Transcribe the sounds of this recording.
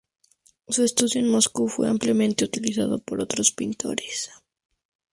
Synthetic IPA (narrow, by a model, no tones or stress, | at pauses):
suest̪uðjo̞enmo̞skufwe̞̰ampljamẽ̞nt̪eut̪ilisa̰ðo̞po̞ɾo̞t̪ɾo̞spint̪ʰo̞̰ɾes